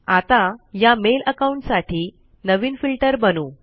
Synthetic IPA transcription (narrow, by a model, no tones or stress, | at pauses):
at̪ajameləkauɳʈsaʈʰiː | nəʋiːnfilʈəɾbənuː